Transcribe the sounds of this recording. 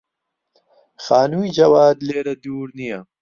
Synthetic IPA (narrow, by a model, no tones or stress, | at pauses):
xaːnuid͡ʒɐwaːd̪leːɾɐd̪uːɾnija